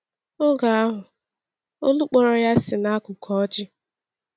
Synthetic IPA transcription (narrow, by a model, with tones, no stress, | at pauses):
ʊ˦ɡa˨a˦ɦʊ˨ | o˦lu˦k͡pɔ˨ɾɔ˨ja˦sɪ˨na˦kʊ˨kʰɔ˦d͡ʒɪ˦